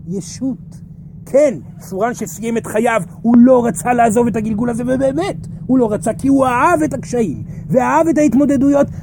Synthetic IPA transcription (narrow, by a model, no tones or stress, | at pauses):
jeʃut | kʰen | suʁanʃesijeme̞tχajav | hulo̞ʁat͡salaːzo̞ve̞taɡilɡulazeveːbeːmethulo̞ʁat͡sakiuaave̞takʃaim | ve̞aave̞taitmo̞d̪e̞dujo̞t